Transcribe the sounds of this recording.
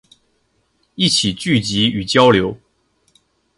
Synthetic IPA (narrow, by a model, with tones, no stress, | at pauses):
i˥˨t͡ɕʰi˨˩t͡ɕy˥˨t͡ɕi˨˦y˨˩t͡ɕjɑ˦ʊljo˨˧˦ʊ